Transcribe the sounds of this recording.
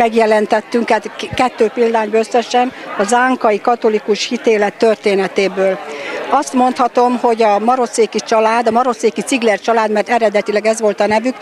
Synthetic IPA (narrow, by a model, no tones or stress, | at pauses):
mɛɡjɛlɛnt̪ɛt̪ːyŋkɛt̪kɛt̪ːøːpild̪aːɲbøsːɛʃɛnɒzaːŋkɒjikɒt̪o̞likuʃhit̪eːlɛt̪ːørt̪eːnɛt̪eːbøːlɒst̪mo̞nt̪hɒt̪o̞mho̞ɟɒmɒɾo̞seːkit͡ʃɒlaːd̪ɒmɒɾo̞seːkit̪siɡlɛrt͡ʃɒlaːd̪mɛrt̪ɛɾɛd̪ɛt̪ilɛɡɛzʋo̞lt̪ɒnɛvyk